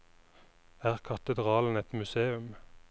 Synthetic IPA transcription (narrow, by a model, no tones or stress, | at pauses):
æːʁkʰɑt̪əd̪ʁɑːln̩ɛt̪mʉseːʉm